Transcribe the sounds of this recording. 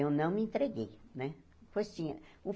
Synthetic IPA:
ewnɐ̃w̃mɪẽnt̪ɾeɡejnɛ | pojst͡ʃĩɲɐũ

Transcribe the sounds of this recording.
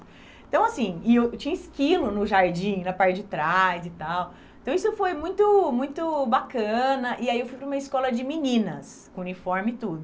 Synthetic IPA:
ẽt̪ɐ̃w̃asĩɪewt͡ʃĩɲɐɪskilʊnʊʒaɾd͡ʒĩnɐpaɾt͡ʃɪd͡ʒɪt̪ɾajzɪt̪aw | ẽt̪ɐ̃w̃isʊfojmũj̃t̪ʊmũj̃t̪ʊbakɐ̃nɐʔɪaiewfujpɾɐũmɐɪskɔlɐd͡ʒɪminĩnɐs | kõunifɔɾmɪt̪ud̪ʊ

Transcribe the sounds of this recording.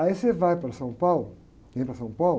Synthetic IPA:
ɐisevajpɾɐsɐ̃w̃pawlʊ | nẽpɾɐsɐ̃w̃pawl

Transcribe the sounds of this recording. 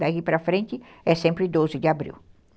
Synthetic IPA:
d̪akipɾɐfɾẽnt͡ʃɪ | ɛsẽmpɾɪd̪ozɪd͡ʒɪabɾḭw

